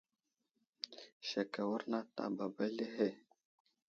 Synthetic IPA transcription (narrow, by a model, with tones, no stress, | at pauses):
ʃe˨ka˨wə˦ɾna˦ta̰˨ba˨ba˦le˦ɦe˦